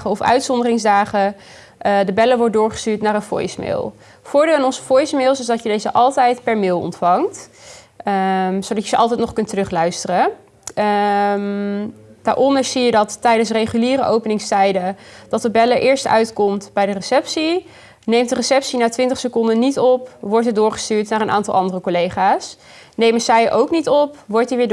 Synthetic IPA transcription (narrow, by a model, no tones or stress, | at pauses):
χəɔfœ̰ɥtsɔndərɪŋzdaːχə | dəbɛləʋɔɹt̚dʊːɹχə̥styːɹtnaːɹənfɔ̰jsmɪ̰ːlˠ | fʊːɹdɪːlˠaːnɔnzə̥fɔjsmɪːlˠsɪzdɑtjədejzəʔɑlˠtɛjtpɛɹmɪlˠɔ̰ntfɑŋt | sowdɑtjəzəʔɑlˠtɛjtnɔχkɵntərɵχlœɥstərə | m | d̥aːɹʔɔndəɹsijədɑtːɛjdənsrejχyliːrəʔowpənɪŋstɛjdəd̥ɑtəbɛləɹʔɪːɹstœ̰ɥtkɔmtbɛjdərəsɛpsi | nejmtdərəsɛpsinaːtʋɪntəχsəkɔndənitɔpʋɔɹtədʊːɹχə̥styːɹtnaːɹənʔa̰ːntɑlˠɑndərəkolejχaːs | nejməsɛjʔowknitɔpʋɔɹtiʋɪː